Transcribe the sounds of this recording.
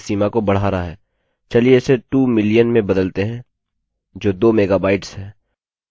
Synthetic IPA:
siːmakobɐɽ̤aːɾaɦɛː | t͡ʃɐlieseʈuːmɪlijənmẽbɐd̪əlt̪eɦɛ̃ː | d͡ʒoːd̪oːmeːɡabaːɪʈsɦɛ̃ː

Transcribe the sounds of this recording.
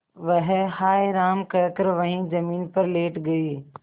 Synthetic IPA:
ʋɐɦhaːiɾaːmkɐːkəɾʋɐɦĩzɐmiːnpɐɾleːʈɡɐiː

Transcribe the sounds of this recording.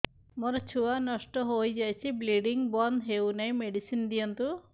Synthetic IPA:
mɔɾɔt͡ʃʰuwanɔsʈɔɦojd͡ʒajt͡ʃʰibliɖiŋbɔnd̪ɦewnajmeɖisind̪ijɔnt̪u

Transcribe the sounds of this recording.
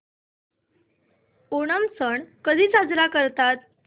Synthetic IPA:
oɽ̃əmsəɳkəd̪ʱiːt͡sad͡zɾakəɾt̪at̪̚

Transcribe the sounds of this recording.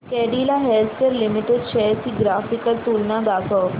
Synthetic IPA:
kɛɽilaɦelt̪ʰkeɾlimiʈeɖʃɛt̪ʰiɡɾafikəlt̪uːlnad̪akʰəʋ

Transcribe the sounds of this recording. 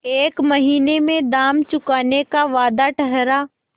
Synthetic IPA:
eːkmɐɦiːnemẽd̪aːmt͡ʃʊkaːnekaʋaːd̪aʈʰəɦɾaː

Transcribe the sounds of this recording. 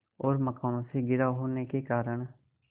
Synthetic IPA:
oːɾməkaːnoːseːɡɪɾaːɦoːneːkeːkaːɾəɳ

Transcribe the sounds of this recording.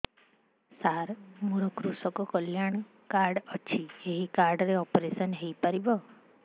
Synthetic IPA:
saɾmuɾɔkɾusɔkɔkəljaɳ | kaɾɖət͡ʃʰieɦikaɾɖɾeɔpɾesənɦejpəɾibɔ

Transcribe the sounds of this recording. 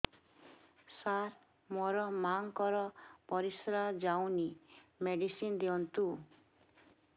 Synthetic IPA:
saɾ | moɾɔmaŋkɔɾɔpɔɾisɾad͡ʒawnimeɖisind̪iɔnt̪u

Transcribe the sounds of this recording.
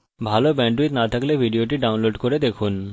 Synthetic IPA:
bʱalobɛɳʈwit̪nat̪ʰaklebʱiɖioʈiɖawnloɖkoɾed̪ekʰun

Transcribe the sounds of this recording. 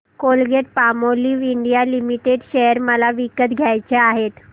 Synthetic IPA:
kolɡeʈ̚pamoliːʋiɳɖijalimiʈeɖɕejəɾməlaʋikət̪ɡʱjajt͡ɕeaɦet̪

